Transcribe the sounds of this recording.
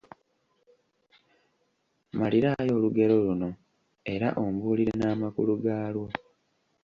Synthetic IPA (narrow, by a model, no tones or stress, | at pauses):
maliɾajo̞ːluɡe̞ɾo̞luno̞ | e̞ɾa̰ʔombuːliɾenaːmakuluɡaːlwo